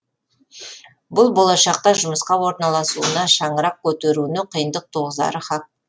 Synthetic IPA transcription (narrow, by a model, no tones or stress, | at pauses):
bʊlˠbo̞lˠɑʃɑq̚t̪ɑʒʊməsqɑwo̞ɾnɑlˠɑsuənɑʃɑɴəɾɑq̚kʲʰɵt̪e̞ɾunɪqʰəjənd̪əq̚t̪ʰoʁəzd̪ɑ̰ɾəχɑk̚